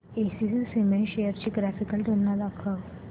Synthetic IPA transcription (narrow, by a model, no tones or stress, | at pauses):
esisisimeɳɕejəɾt͡ɕiːɡɾæfikəlʈ̪onːad̪akʰəʋ